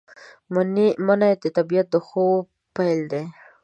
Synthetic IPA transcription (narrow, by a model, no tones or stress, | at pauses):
mnmanad̪et̪abijat̪̚d̪əxow | pajld̪e